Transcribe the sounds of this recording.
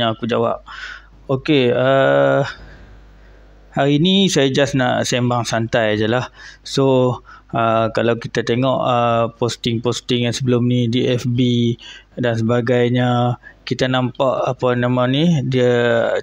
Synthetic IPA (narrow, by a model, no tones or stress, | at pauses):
aakud͡ʒawa̰p̚ | okeə | haɾiːnisajad͡ʒasnaʔsembaŋsant̪ajad͡ʒəlahso | əkalawkit̪at̪eŋɔʔəpost̪ɪŋpost̪ɪŋjansəbəlʊmnidiɛfbidans̬əbaɡajɲəkit̪anãmpaʔapənamanidiə